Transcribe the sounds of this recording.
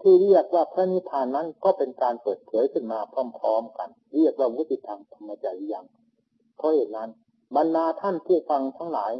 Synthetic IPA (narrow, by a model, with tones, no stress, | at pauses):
t̪ʰiː˧˥˩ɾi˥˩ək̚waː˧˥˩pʰɾaː˦˥ni˦˥t̪ʰaː˧nːa˦˥nkɔː˥˩pe˧nkaː˧npɤː˨˩t̪̚pʰɤː˩˦jkʰɯ˥˩nmaː˧pʰɔ˥˩mpʰɾɔː˦˥mka˧n | ɾi˥˩ək̚waː˧˩wu˦˥t̪ːi˨˧˩t̪ʰːaː˧ŋt̪ʰa˧mːa˧t͡ɕa˧jʔja˧˩ŋ | pʰɔ˧˥he˨˩n̚na˦˥˨n | ba˧ndaː˧t̪ʰa˥˩npʰuː˥˩fa˧ŋt̪ʰa˦˥ŋla̰ː˩˦j